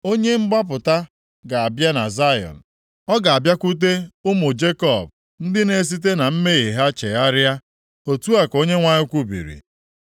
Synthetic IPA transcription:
o˦ɲe˦m̩˦ɡ͡ba˦p̬ʊ˨ta˦ | ɡa˨a˨bja˦na̰˨za˦jɔ̰˨n̩˨ | ɔ˦ɡa˨a˨bja˦kʷu˦t̬e˦ʊ˦mʊ˨d͡ʒe˦kɔ˨b̚ | n̩˦dɪ˦ne˨s̬i˦t̬e˦na˨m̩˦me˦˨ɣi˨ɦa˦t͡ʃe˨ja˦ɾja˦ | o˨tu˦a˨ko˦ɲe˦ŋʷa˦ɲɪ˦kʷu˦bḭ˨ɾḭ˨

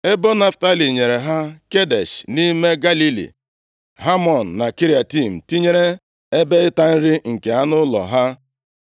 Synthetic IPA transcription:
e˦bo˦na˦fta˦li˨ɲe˨ɾe˨ɦa˦ke˦de˨ʃni˦me˦ɡa˦li˦lḭ˨ | ɦa˦mɔ˨n̩ː˨a˨ki˦ɾi˨a˨ti˦˨m̩˨ti˦ɲe˦ɾe˦ | e˦be˦ɪ˦ta˦n̩˦ɾi˦ŋ̩˨ke˨a˦nʊ˦lɔ̰˨ɦa˦

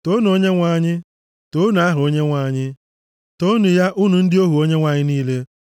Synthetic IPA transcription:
to˦n˨o˦ɲe˦ŋʷa˨ɲɪ˦ | to˦n˨a˦ɦʊ˨o˦ɲe˦ŋʷa˨˦˨ɲɪ˦ | to˦nu˨ja˦ʔʊ˦nu˨n̩˦dɪ˦o˦ɦu˨o˦ɲe˦ŋʷa˨ɲɪ˦niː˦le˦

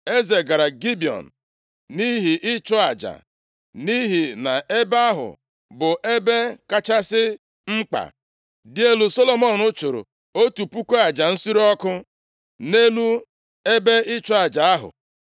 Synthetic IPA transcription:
e˦ze˨ɡa˨ɾa˨ɡi˦bi˨ɔ̰˨n̩˨ | ni˦ɦi˨ʔɪ˦t͡ʃʊ˦a˨d͡ʒa̰˨ | ni˦ɦi˨na˨ʔe˦ba˦ɦʊ̰˨ | bʊ˨ʔe˦be˦ka˦t͡ʃa˦sɪ˦ | ŋ͡m̩˦k͡pa̰˨ | dɪ˦e˦lu˨so˦lo˨mɔ˦˨nʊ˦t͡ʃo˨ɾo̰˨ | o˦tu˨pu˦ko˦a˨d͡ʒa˨n̩˦si˦ɾɔ˦kʊ˦ | ne˦lu˦ | e˦be˦ɪ˦t͡ʃʊ˦a˨d͡ʒa˨a˦ɦʊ̰˨

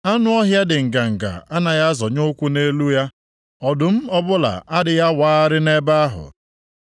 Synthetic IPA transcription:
a˦nʊ˦ɔ˦ɦja˦dɪ˨ŋ̩˨ka˨ŋ̩˨ka̰˨a˦na˨ja˦zɔ˨ɲo˦kʷu˦ne˦lu˦ja˦ | ɔ˨dʊ˨m̩˦ɔ˦bʊ˦la̰˨ʔa˦dɪ˨ja˦waː˦ɾɪ˦ne˦ba˦a˦ɦʊ̰˨

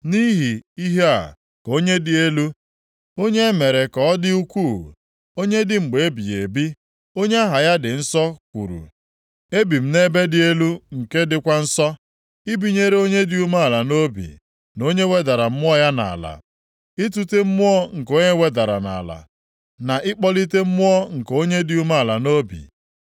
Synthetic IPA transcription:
ni˦ɦi˨i˦ɦe˦a̰˨ | ko˦ɲe˦dɪ˨e˦lu˦ | o˦ɲe˦me˨ɾe˨kɔ˨ɔ˦dɪ˦u˦kʷu˦˨ | o˦ɲe˦dɪ˨ŋ͡m̩˨ɡ͡be˨e˦bi˨ḛ˨bi˦ | o˦ɲe˦a˦ɦa˨ja˦dɪ˨n̩˦sɔ˦kʷṵ˨ɾṵ˨ | e˦bi˨m̩˦ne˦be˦dɪ˨e˦lu˦ŋ̩˨ke˦dɪ˨kʷa˦n̩˦sɔ˦ | i˦bi˨ɲe˦ɾe˦o˦ɲe˦dɪ˦u˦ma˦a˨la˨no˦bḭ˨ | no˦ɲe˦we˦da˨ɾa˨m̩˦mʊ˦ɔ˦ja˦na̰˨a˨la̰˨ | i˦tu˦te˦m̩˦mʊ˦ɔ˦ŋ̩˨ko˦ɲe˦we˦da˨ɾa̰˨na̰˨la̰˨ | na˨ʔɪ˦k͡pɔ˦li˦te˦m̩˦mʊ˦ɔ˦ŋ̩˨ko˦ɲe˦dɪ˨˦u˦ma˦a˨la˨no˦bḭ˨

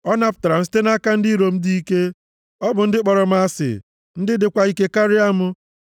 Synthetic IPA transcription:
ɔ˦na˨pʊ̥˨ta˨ɾa˨m̩˦s̬i̥˦te˦na˦ka˦n̩˦di˦ɾo˨m̩˦di˦i˦ke˦ | ɔ˦bʊ˨n̩˦dɪ˦k͡pɔ˨ɾɔ˨m̩˦a˦sɪ̰˨ | n̩˦dɪ˦dɪ˨kʷa˦i˦ke˦ka˦ɾɪ˦a˦mʊ˦

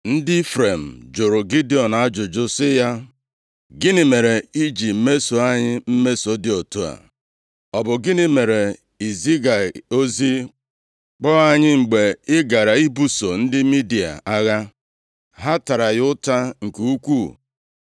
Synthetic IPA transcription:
n̩˦dɪ˦fɾe˨m̩˨d͡ʒʊ˨ɾʊ˨ɡi˦di˦ɔ˨na˦d͡ʒʊ˨d͡ʒʊ˦sɪ˦ja˦ | ɡɪ˦nɪ˨me˨ɾe˨i˦d͡ʒi˨m̩˦me˦so˨a˦ɲɪ˦m̩˦me˦so˨dɪ˦o˨tu˦a̰˨ | ɔ˨bʊ˨ɡɪ˦nɪ˦me˨ɾe˨ | i˨zi˦ɡa˨o˦zi˦ | k͡pɔ˦a˦ɲɪ˦ŋ͡m̩˨ɡ͡be˨ɪ˦ɡa˨ɾa˨i˦bu˦so˨n̩˦dɪ˦mi˦di˨a̰˨a˦ɣa˦ | ɦa˦ta˨ɾa˨jʊ˦ta˦ŋ̩˨ke˨u˦kʷu˦˨

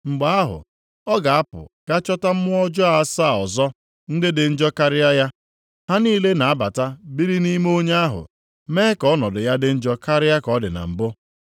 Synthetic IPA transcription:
ŋ͡m̩˨ɡ͡ba˨a˦ɦʊ̰˨ | ɔ˦ɡa˨a˦pʊ̰˨ka˦t͡ʃɔ˦ta˦m̩˦mʊ˦ɔ˦d͡ʒɔ˦a˨˦saː˦˨ɔ˨zɔ˦ | n̩˦dɪ˦dɪ˨n̩˦d͡ʒɔ˦ka˦ɾɪ˦ja˦ja˦ | ha˦niː˦le˦na˨a˦ba˨ta˦bi˦ɾi˦ni˦m˦o˦ɲe˦a˦ɦʊ̰˨ | meː˦kɔ˦nɔ˨dʊ˨ja˦dɪ˦n̩˦d͡ʒɔ˦ka˦ɾɪ˦ja˦kɔ˦dɪ̰˨na̰˨m̩˨bʊ˦

